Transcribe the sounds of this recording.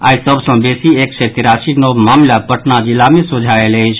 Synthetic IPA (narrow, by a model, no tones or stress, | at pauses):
a̰isəbʱsə̃besieksɛt̪iɾasinəwmamlapəʈnad͡ʒilamesod͡ʒʱaeləjt͡ʃʰ